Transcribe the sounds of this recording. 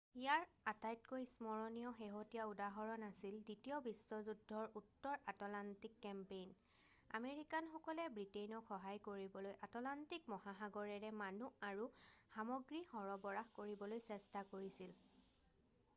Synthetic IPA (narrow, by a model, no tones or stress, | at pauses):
ijaɹatajtkojsmɔɹɔnijɔxeɦotijaudaɦɔɹɔnasilditiɔbisɔzudʱːɔɹutːɔɹatɔlantikːɛmpejn | a̰meɹikanxɔkɔlɛbɹitejnɔkxɔɦajkoɹibɔlojʔatɔlantik̚mɔhaxaɡɔɹɛɹɛmanuaɹuxamɔɡɹixɔɹɔbɔɹaxkoɹibɔlojsɛstakoɹisil